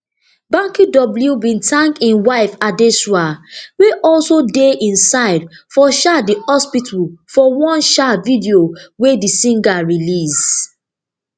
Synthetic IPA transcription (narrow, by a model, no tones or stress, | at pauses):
bãŋkidɔbl̩jubĩntʰãŋkĩnwaɪfadesuaweʔɔlsodeĩnsaɪdfɔʃadiɔspitʰulfɔwɔ̃nʃavidiowedisĩŋɡaɹilis